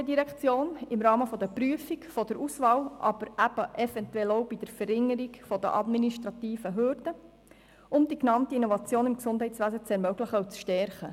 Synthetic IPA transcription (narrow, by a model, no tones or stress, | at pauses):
ədiɾɛkt͡sjoːnɪmɾɑːməfɔd̥̪əpryəfikfɔdəɾusʋɑːwʔɑ̰b̥əɾʔæb̥əʔɛfɛntuɛlowbid̥əɾfəɾɪŋːəɾikfɔd̪ə̰ʔɑ̰d̪miniʃtɾɑt̪iːfəɦøɾd̥ə | ʊmd̥̪iknɑmtiinovɑt͡sjoːnɪmksʊnd̥ɦɛɪtt͡sʋæsət͡sɛɾmœɡləχəut͡sʃtɛɾχə